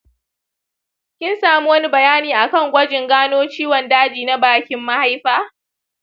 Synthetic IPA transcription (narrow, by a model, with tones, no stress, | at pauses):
kʲɪ˦nsaː˨mu˦wɐ˦ni˦bɐ˨jaː˦niː˨ʔa˨kɐ˦˨ŋɡʷɐ˦d͡ʒɪ˨ŋɡaː˦noː˦t͡ʃiː˦wɔ˨ndaː˦d͡ʒiː˨na˦baː˦kʲɪ˦mːa˦ha˦jɸaː˦